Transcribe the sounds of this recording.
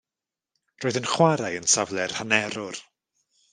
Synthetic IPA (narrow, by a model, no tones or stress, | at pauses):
roːɨðənχwaɾajənsavlˠɛrhanɛɾʊr